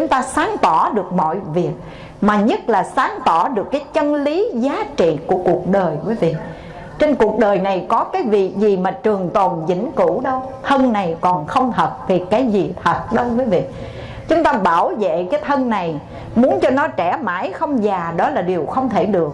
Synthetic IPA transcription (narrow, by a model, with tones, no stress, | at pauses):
t͡ɕʊ˨˦ŋ͡mt̪aː˧saː˨˦ŋt̪ɔ˧˩ɗɨ˨˩ək̚mɔ̰˧˨jvi˨˩ək̚ | maː˨˩ɲə˦˥t̚laː˨˩saː˨˦ŋt̪ɔ˧˩ɗɨ˨˩əkːaː˨˦jt͡ɕə˧nli˨˦zaː˨˦t͡ɕḭ˧˨ku˧˩əku˨˩ək̚ɗəː˨˩jkwi˨˦vḭ˧˨ | t͡ɕe˧nku˨˩ək̚ɗəː˨˩jna˨˩jkɔ˨˦kaː˨˦jvḭ˧˨zi˨˩maː˨˩t͡ɕɨ˨˩əŋt̪ɔ˨˩nzḭ˧˥ŋku˧˩˥ɗə˧wt̪ʰə˧nna˨˩jkɔ˨˩nxə˧wŋ͡mɦə˨˩p̚t̪ʰi˨˩kaː˨˦jzi˨˩t̪ʰə˨˩t̚ɗə˧wkwəː˨˦jvḭ˧˨ | t͡ɕʊ˨˦ŋ͡mt̪aː˧ɓaː˧˩wzḛ˧˨kaː˨˦jt̪ʰə˧nna˨˩j | mu˨˦ənt͡ɕɔ˧nɔ˨˦t͡ɕɛ˧˩maː˧˩˦jxə˧wŋ͡mzaː˨˩ɗɔ˨˦laː˨˩ɗi˨˩əwxə˧wŋ͡mt̪ʰe˧˩ɗɨ˨˩ək̚